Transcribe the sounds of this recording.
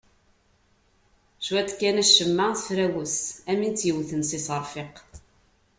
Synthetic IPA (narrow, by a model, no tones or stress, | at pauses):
ʃwæt̪kːænæʃːəmːaθfɾæwəsæmint͡s̪jəwθənsisəɾˤfeq